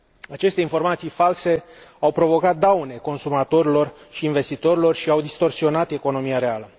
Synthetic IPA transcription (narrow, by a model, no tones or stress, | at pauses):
at͡ʃe̞st̪e̞info̞rmat̪sijfalse̞awpɾo̞vo̞kat̪̚d̪awne̞ko̞nsumat̪o̞ɾilo̞rʃiːnve̞st̪it̪o̞ɾilo̞rʃiawd̪ist̪o̞rsio̞nat̪e̞ko̞no̞mijaɾe̞alə